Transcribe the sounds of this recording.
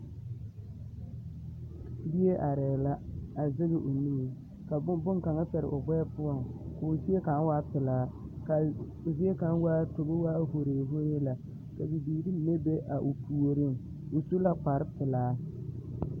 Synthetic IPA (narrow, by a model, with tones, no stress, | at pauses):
bi˦e˦ʔa˨ɾɛː˨la˦a˨zɪ˦ɣɪ˨ʔo˨ni˦e˨ | ka˨˦bʊ˦ŋka˨ŋa˦pɛ˨ɾɪ̰˨ʔʊ˨bɔ˦ɛ˦pʊ˦ɔ˨ŋka˨o˨zi˦e˦ka˨˦n˦waː˦pɪ˨laː˦ka˨ | zi˦e˦ka˨˦n˦waː˦to˨bo˦waː˦ɦo˨ɾeː˨ɦo˦ɾe˦la˨ | ka˨bi˨biː˨ɾi˦ne˦be˦ʔa˨ʔo˨pu˨o˨ɾɪ˦ŋ | o˨su˦la˦k͡pa˨ɾɪ˦pɪ˨laː˦